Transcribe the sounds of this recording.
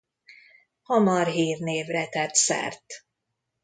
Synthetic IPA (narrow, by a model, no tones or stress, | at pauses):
hɒmɒrɦiːrneːvrɛt̪ɛt̪sɛ̰rt̪